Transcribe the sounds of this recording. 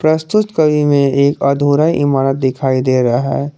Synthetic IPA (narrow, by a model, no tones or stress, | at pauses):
pɾəst̪ʊt̪kəʋimẽeːkɐd̪ʱuːɾaiʔɪmaːnət̪̚d̪ɪkʰaːid̪eːɾɐɦɦɛ